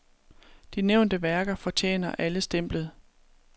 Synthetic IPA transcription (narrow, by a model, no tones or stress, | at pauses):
d̥ineʊ̰nd̥əʋæɐɡ̥ɐfɒ̽t͡ɕʰḛːnɐʔæləsd̥em̰b̥ləð̩ˠ